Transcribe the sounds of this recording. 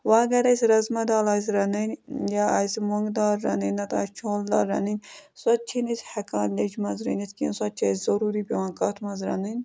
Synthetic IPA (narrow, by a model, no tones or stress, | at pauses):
ʋaːɡɐɾɐsʲɾɐzmɐd̪aːlaːs̬ɾɐnɐnʲjaasmoŋɡd̪aːɾːɐ̰nɐnʲːɐt̪aːst͡ʃʰoːld̪a̰ːɾːɐ̰nɐnʲsɐt̪̚t͡ʃʰinit̪ʰhɐkaːnlʲed͡ʒmɐnzɾɐ̰nʲit̪ʲkinsɐt̪̚t͡ʃʰɐszɐɾuːɾibiwãːnkɐt̪ʰmɐzɾɐ̰nɐnʲ